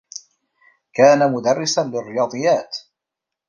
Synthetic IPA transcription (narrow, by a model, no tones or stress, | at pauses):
kaːnamʊd̪ɑrˤːɪsanlɪrːɪjɑːd̪ˤɨjːaːt̪